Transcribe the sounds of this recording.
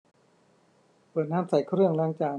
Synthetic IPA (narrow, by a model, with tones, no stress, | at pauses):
pɤː˨˩t̪̚naː˦˥msa˨˩jkʰɾɯ˥˩əŋlaː˧˥˩ŋt͡ɕaː˧˩